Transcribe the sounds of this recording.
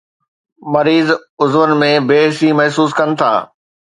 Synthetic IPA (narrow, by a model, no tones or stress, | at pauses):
mɐɾiːzʊzʋənɪ̆mẽbeːɦsimɐɦsuːskɐnɪ̆t̪ʰa̰ː